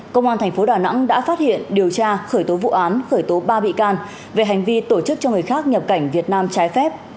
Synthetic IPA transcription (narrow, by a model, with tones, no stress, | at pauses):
kə˧wŋ͡mʔaː˧nt̪ʰɛ˨˩ŋ̟fo˨˦ɗaː˨˩na̰˧˥ŋɗa̰ː˧˥faː˦˥t̚hḭ˧˨ənɗi˨˩əwt͡ɕaː˧xəː˧˩jt̪o˨˦vṵ˧˨ʔaː˨˦nxəː˧˩jt̪o˨˦ɓaː˧ɓḭ˧˨kaː˧n | ve˨˩ɦa˨˩jŋ̟vi˧t̪o˧˩t͡ɕɨ˦˥k̚t͡ɕɔ˧ŋɨ˨˩əjxaː˦˥k̚ɲə˨˩p̚ka˧˩jŋ̟vi˨˩ət̚naː˧mt͡ɕaː˨˦jfɛ˦˥p̚